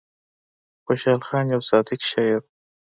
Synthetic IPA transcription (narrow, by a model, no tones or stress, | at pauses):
xoʃɑːlxɑːnjawsɑːd̪ɪkʃɑjɪɾ